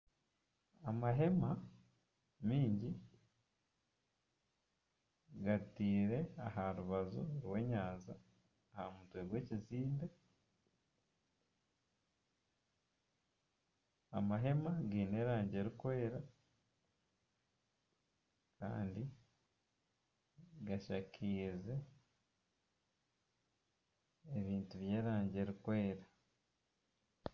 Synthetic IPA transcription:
amaɦe̞ma | miːɲɟi | ɡatiːɾe̞aɦaɾuβazuɾwe̞ːɲaːnzaː | ha̰mutwe̞ɡwe̞ːciziːnda | a̰maɦe̞maɡiːne̞ːɾaːɲɟe̞ɾikwe̞ːɾa | ka̰ːndi | ɡaʃakʰiːze̞ | eβiːntuβje̞ːɾaːɲɟe̞ɾikwe̞ːɾa

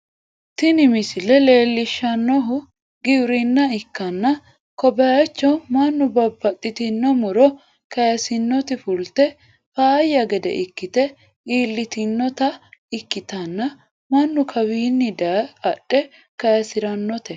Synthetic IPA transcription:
t̪ɪnɪmɪsɪlɛle̞ːlːɪʃːɐnːɔɦʊ | ɡɪwɾɪnːɐɪkːɐnːɐ | kɔbɐjɐt͡ʃːɔmɐnːʊbɐbːɐt̪ʼːɪt̪ɪnːɔmʊɾɔ | kɐjɐsɪnːɔt̪ɪfʊlt̪ɛ | faːjːɐɡɛd̪ɛ̰ʔɪkːɪt̪ɛ | iːlːɪt̪ɪnːɔt̪ɐɪkːɪt̪ɐnːɐ | mɐnːʊkʰɐwiːnːɪd̪ɐɐɗɛ | kɐjɐsɪɾɐnːɔt̪ɛ

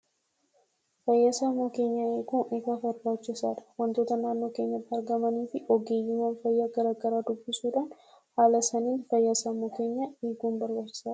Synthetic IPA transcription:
fɐjːasaːmːoːke̞ːɲːɐeːkuːnʔefaːfɐɾbaːt͡ʃːɪsa̰ːᶑ̪ɐ̥wɐnt̪oːt̪ɐnaːnːo̞ːke̞ːɲːɐt̪ːɪɐɾɡɐmɐniːfɪʔɔɡeːjːɪmɐːnfɐjːaːɡɐɾaːɡɐɾaːd̪ʊbːɪsuːᶑaːn | haːlɐsɐniːnfɐjːasɐmːoːke̞ːɲːɐeːɡuːnbɐɾbaːt͡ʃːɪ̥saːɐ̥

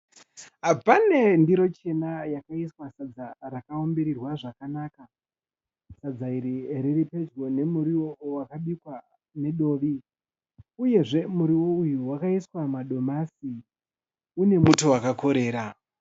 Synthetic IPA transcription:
ɦapane̞ndiɾo̞t͡ʃe̞najakaiswasad͡zaɾakao̞mbeɾirwaʐakanaːka | sad͡zaiɾiɾiripe̞d͡ʒɡo̞ne̞muɾiwowakaɓikwa | ne̞ɗo̞ːʋi | uje̞ʐe̞muɾiwo̞ujuwakaiswamaɗo̞masi | une̞muto̞wakako̞ɾe̞ːɾa

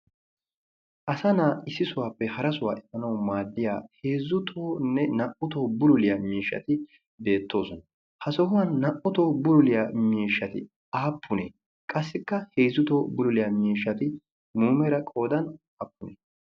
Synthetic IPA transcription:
ʔɐsɐnaːɪsːɪsʊwaːpːɛhɐɾɐsʊwa̰ːʔɛmːɐnɐwmaːd̪ːɪja̰ːhe̞ːzːʊt̪ʰoːnːɛnɐʔʊt̪oːbʊlʊlɪjamiːʃːɐ̰t̪ɪ | be̞ːt̪ːo̞ːsɔnɐ | hɐsɔhʊwɐnːɐʔʊt̪oːbʊlʊlɪjaːmiːʃːɐt̪ɪ̰ | aːpʰːʊnḛː | kʼɐsːɪkːɐheːzːʊt̪oːbʊlʊlɪjamiːʃːɐt̪ɪ | muːmɛɾɐkʼo̞ːd̪ɐn | ɐpːʊnḛ

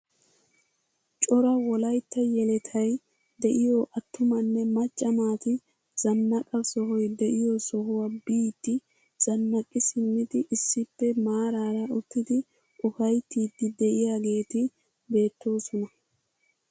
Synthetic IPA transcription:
t͡ʃʼɔɾɐwɔlɐjt̪ːɐjɛlɛt̪ʰɐj | d̪ɛʔɪjɔʔɐt̪ːʊmɐnːɛmɐt͡ʃʼːɐmaːt̪ɪ | z̥ɐnːɐkʼɐsɔɦɔjd̪ɛʔɪjɔsɔɦʊwɐbiːt̪ːɪ | z̥ɐnːɐkʼːɪsɪmːɪd̪ɪʔɪsːɪpːɛmaːɾaːɾɐʔʊt̪ːɪd̪ɪ | ʔʊfɐjt̪ːiːd̪ːɪd̪ɛʔɪjaːɡe̞ːt̪ɪ | be̞ːt̪ːo̞ːsɔnɐ

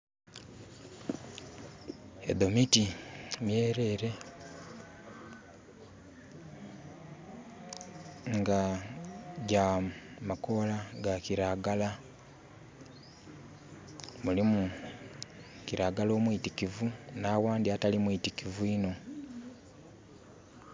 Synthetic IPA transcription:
ḛðo̞mitimje̞ːɾe̞ɾe̞ | ŋɡa | ɟamako̞laɡaciɾaɡala | mulimu | kiɾaɡalo̞ːmwitikivunaːwaːndiatalimwuitikivuino̞

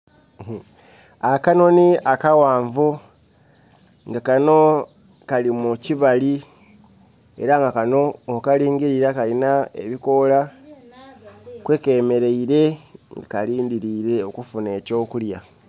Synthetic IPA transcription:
akano̞niakawaːɱvu | ŋɡakano̞ | kalimuciβali | e̞̰ɾaŋɡakano̞ːkaliːŋɡiɾiɾakalinae̞̰βiko̞la | kwe̞ke̞ːme̞ɾe̞iɾe̞ŋɡakaliːndiɾiɾe̞okufune̞ːco̞ːkulja

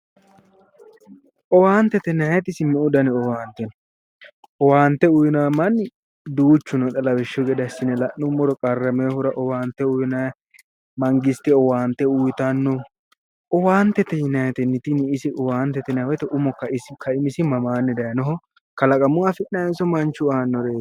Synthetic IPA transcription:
ʔɔwaːnt̪ːɛt̪ɛnɐjɛt̪ɪsɪmɛʊd̪ɐnɪɔwaːnt̪ɛn | ʔɔwaːnt̪ːɛʊjnaːmɐn | d̪uːt͡ʃːʊnɔᶑ̪ʼɐlɐwɛʃːɔɡɛd̪ɐsɪnɛlɐʔːʊmɔɾɔkʼɐrːɐmeːhʊɾɐʔɔwaːnt̪ːɛʊjnɐ | mɐŋɡɪst̪ɪɔwaːnt̪ɛʊjt̪ɐnːɔ | ʔɔwaːnt̪ːɛt̪ɛjɪnɐjɛt̪ɛnːɪt̪ɪnɪɪsɪʔɔwaːnt̪ɛt̪ɛnɛwɛt̪ɛʔʊmɔkːɐɪsɪkʰɐɪmɪsɪmɐmaːnːɛd̪ɐjɐnɔɦɔ | kɐlɐkʼɐmʊwafɪʔːɐjɛsɔmɐnt͡ʃːʊaːnːɔɾeː

